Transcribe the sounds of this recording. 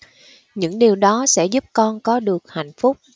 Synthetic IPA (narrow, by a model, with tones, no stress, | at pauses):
ɲɨ̰˧˥ŋɗi˨˩əwɗɔ˨˦sɛ̰˧˥zu˦˥p̚kɔ˧nkɔ˨˦ɗɨ˨˩ək̚ha̰˧˨jŋ̟fʊ˦˥k͡p̚